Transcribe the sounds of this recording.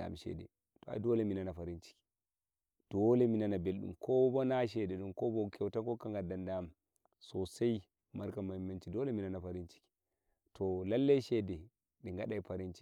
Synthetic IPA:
a̰mʃɛ̰dɛ̰ | tɔa̰dɔlɛminanafaɾint͡ʃi̥ki̥ | d̥ɔlɛminanabelɗṵmkʰɔbɔnaʃɛdɛɗumkɔbɔkʰɛwtakɔkaŋɡadandam | sɔsaj | maɾkamaimːant͡ʃidɔlɛminanafaɾint͡ʃi̥ki̥ | tʰɔlalːajʃɛdɛ | ɗɛŋɡaɗajfaɾint͡ʃi̥

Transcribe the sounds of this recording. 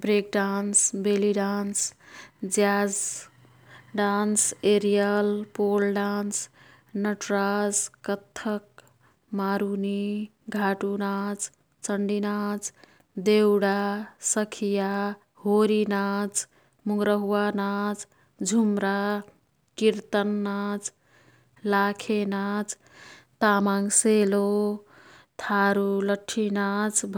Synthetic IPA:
bɾek̚ɖansbeliɖansd͡ʒjad͡z | ɖanseɾijəlpolɖans | nəʈɾaskət̪ʰːək̚ | maɾuni | ɡʱaʈunat͡s | t͡ʃəɳɖinat͡s | d̪ewɽasəkʰija | ɦoɾinat͡s | muŋɡɾəɦuwanat͡ʃ | d͡ʒʱumɾa | kiɾt̪ənːat͡ʃ | lakʰenat͡sʰ | t̪amaŋselo | t̪ʰaɾuləʈʰːinat͡sbʱ

